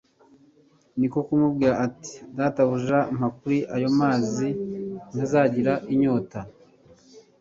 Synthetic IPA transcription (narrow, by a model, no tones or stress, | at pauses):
niko̞kumub̚ɡiːɾaʔːti̥daːtaβuʒaːm̥akuɾiʔajo̞maːzin̥azaːɟiɾaʔiɲo̞ːta